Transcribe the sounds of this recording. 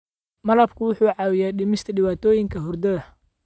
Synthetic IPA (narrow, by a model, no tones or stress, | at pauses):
mɐlɐbkʰʊwʊħuːʕɑːwɪjaːɖɪmɪst̪ʰɐɖɪwaːt̪ʰɔːjɪŋkʰɐɦʊrd̪ɐðɐ